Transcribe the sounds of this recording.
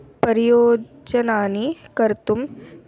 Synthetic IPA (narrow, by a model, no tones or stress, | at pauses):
pɐɾijoː | d͡ʒɐnaːnikɐɾt̪um